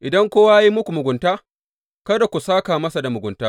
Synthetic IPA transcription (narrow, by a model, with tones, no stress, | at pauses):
ʔɪ˨dɐ˦ŋkʷoː˦waː˦ji˦mʊ˦kʷu˨mʊ˨ɡʷʊ˨ntaː˦ | kɐ˦da˨kʷu˨saː˦kaː˨mɐ˦sa˨da˨mʊ˨ɡʷʊ˨ntaː˦